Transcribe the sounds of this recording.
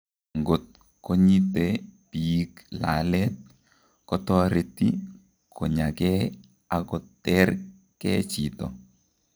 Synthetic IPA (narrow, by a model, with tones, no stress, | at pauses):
ŋɡo˨t̚ | ko˦ɲi˦tepi˨kla̰˨lɛt̪̚ | kɔ˦tɔ˦ɾeti | kʰɔ˨ɲa˨kɛ | a˨kɔ˨tːɛr | kɛ˦t͡ʃitɔ̰˨